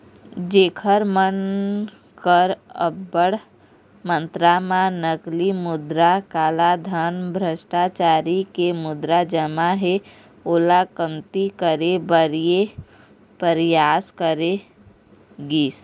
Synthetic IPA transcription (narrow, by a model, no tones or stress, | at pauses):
d͡ʒeːkʰəɾmən | kəɾəəɽ | mə̃nt̪ɾamãnəklimʊd̪ɾakaːlad̪ʱanbʱɾəʃʈat͡ʃaːɾikemʊd̪ɾad͡ʒəmaɦe | olakəmt̪ikəɾebəɾije | pəɾjaːskəɾe | ɡiːs